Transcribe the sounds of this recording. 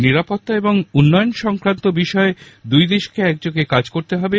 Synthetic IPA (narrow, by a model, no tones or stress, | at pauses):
niɾapot̪ːaeboŋunːɔjonʃɔŋkɾant̪obiʃɔed̪ujd̪eʃkeɛk̚d͡ʑokekad͡ʑkoɾt̪eɦɔbe